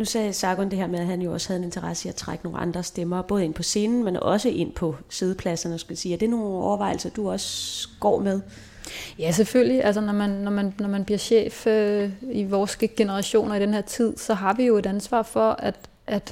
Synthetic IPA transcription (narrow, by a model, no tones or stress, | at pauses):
nusɛːsɑ̈ɡ̥ɔnd̥e̝ɦḛɐ̰meðˠæɦænjo̝ɒ̽shæð̩ˠene̝nt͡sʰɐʁɑ̈sə̥iæt͡sʰʁäɡ̥əno̝̰ːnɑ̈nd̥ʁɐsd̥emɐːb̥ɔ̽ːð̞̩ˠe̝n̰pʰɒ̽se̝ːnn̩menɒ̽səʔe̝n̰pʰɒ̽sið̞ˠəpʰlæsɐnəɒsɡ̥æsiːæd̥e̝æɐno̝ːn̩ɒʊɐʋɑ̈ɪ̰l̩sɐd̥uɒ̽səɡ̥ɒ̰ːmeð̞ˠ | jæs̬eføl̰liʔælsɐnɒmænːɒmænnɒmænb̥liɐ̰ɕḛːføiʋɒːsɡ̥əɡ̥e̝nəʁɑɕo̝̰ːnɐid̥enhe̝ɐ̰t͡sʰið̰ˠsɒ̽ɦɑ̈ʋijo̝e̝ɾænsʋɑ̰̈ːfɒ̽ʔæd̥ | ʔæd̥